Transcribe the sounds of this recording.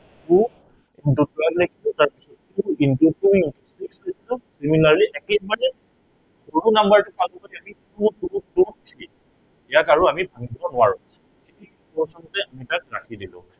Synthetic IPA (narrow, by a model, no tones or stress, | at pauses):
tu | intutɹaklekʰilʊtaɹpisɔtːuintutuintusikslekʰilʊsimilaɹliʔɛkɛbanɛ | xoɹunambaɹtukalɔkadiamitutuututʰi | ɛjakaɹuamibʱaŋibɔnʊwaɹʊ̃ | ketiinpɔɹsɔntɛamitakɹakʰidilʊ̰̃